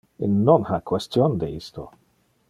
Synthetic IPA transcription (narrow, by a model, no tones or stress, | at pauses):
ḛnːɔnhakʰwɛstjɔnd̪eisto̰